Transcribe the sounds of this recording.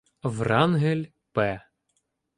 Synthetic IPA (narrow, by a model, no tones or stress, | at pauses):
ʋrɑnɦelʲ | pɛ